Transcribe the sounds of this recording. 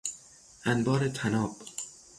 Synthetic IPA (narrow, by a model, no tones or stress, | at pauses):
ʔænbɒːɾet̪ʰænɒːb̥